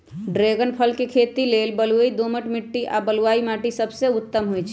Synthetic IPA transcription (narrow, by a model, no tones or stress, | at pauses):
ɖɾeɡənpʰəlkekʰet̪ilelbəluid̪oməʈmiʈːiʔabəluaimaʈisəbseʊt̪ːəmɦojt͡ʃʰɛ